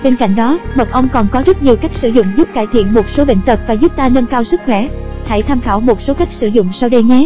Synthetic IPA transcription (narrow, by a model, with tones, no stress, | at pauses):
ɓe˧nka̰˧˨jŋ̟ɗɔ˨˦mə˨˩k̚ʔə˧wŋ͡mkɔ˨˩nkɔ˨˦zə˦˥t̚ɲi˨˩əwkaː˦˥k̟̚sɨ̰˧˩zʊ̰˧˨ŋ͡mzʊ˦˥p̚kaː˧˩jt̪ʰḭ˧˨ənmo˨˩t̚so˨˦ɓḛ˧˨nt̪ə˨˩p̚vaː˨˩zu˦˥p̚t̪aː˧nə˧nkaː˧wsɨ˦˥k̚xwɛ̰˧˩ha̰˧˨jt̪ʰaː˧mxaː˧˩wmo˨˩t̚so˨˦ka˦˥jk̟̚sɨ˧˩zʊ̰˧˨ŋ͡msa˧wɗə˧jŋɛ˨˦